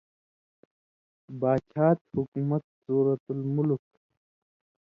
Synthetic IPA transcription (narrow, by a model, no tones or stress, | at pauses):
baːt͡ʃʰaːt̪hukumɐt̪̚suːɾɐt̪ulmʊlk̚